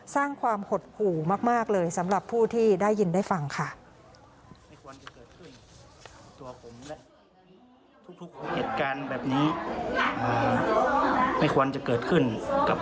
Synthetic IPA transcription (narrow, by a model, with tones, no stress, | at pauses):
saː˥˩ŋkʰwaː˧mho˨˩t̪̚kʰuː˨˩maː˥˩k̚maː˥˩k̚lɤː˧jsa˩˦mɾa˨˩pʰːuː˥˩t̪ʰiː˥˩daː˥˩jːi˧ndaː˥˩jfa˧ŋkʰa˥˩ | ma˥˩jkʰu˧nt͡ɕa˨˩kɤː˨˩t̪̚kʰɯ˥˩n | t̪u˧ɐpʰo˩˦mlɛ˦˥ʔ | t̪ʰu˦˥k̚t̪ʰu˦˥k̚he˨˩t̪̚kaː˧nbɛː˨˩p̚niː˦˥ʔɤː˨˩ | ma˥˩jkʰu˧ənt͡ɕa˨˩kɤː˨˩t̪̚kʰɯ˥˩nka˨˩